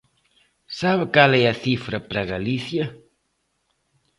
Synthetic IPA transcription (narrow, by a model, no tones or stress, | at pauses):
saβɪkalɛɐθifɾɐpɾɐɣaliθjɐ